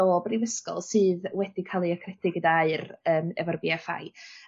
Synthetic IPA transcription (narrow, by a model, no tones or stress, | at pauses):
oːbrivəskɔ̰lˠsɨːðwɛd̥ikʰalˠiɔkʰrɛtɪɡədaaɨrəːmɛ̰vɔrbiafa̰j